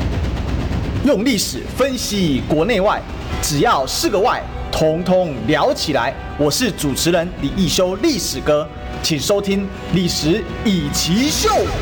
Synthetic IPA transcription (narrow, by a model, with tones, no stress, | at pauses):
jʊ˥˧ŋli˥˩ʂɻ̩˨˩fə˦nɕi˥kwɔ˨˧˥ne˥˧ɪwa˥˨ɪ | ʈ͡ʂɻ̩˨˩jɑ˥˨ʊʂɻ̩˥˩ɡə˨wa˥˨ɪ | t̪ʰʊ˧˥ŋt̪ʰʊ˦ŋljɑ˧˥ʊt͡ɕʰi˨˩la̰˧˦ɪ | wɔ˨˩ʂɻ̩˥˩ʈ͡ʂu˨˩ʈ͡ʂʰɻ̩˨˦ɻə˧˦nli˨˩i˥˩ɕjo˥ʊli˥˩ʂɻ̩˨˩kɤ˦ | t͡ɕʰi˨˩ŋʂo˥ʊt̪ʰi˦ŋ | li˨˩ʂɻ̩˧˦ | i˨˩t͡ɕʰi˧˥ɕjo˥˨ʊ˨